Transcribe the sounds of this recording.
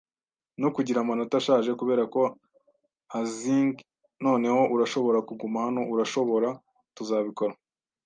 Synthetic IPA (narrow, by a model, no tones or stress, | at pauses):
nokuɟiɾamano̞taʃaːʒe̞kuβe̞ːɾako̞ | aziːŋɡ | no̞ːne̞ho̞ʔuɾaʃo̞βo̞ɾakuɡumahano̞ʔuɾaʃo̞βo̞ɾa | tuzaːβiko̞ɾa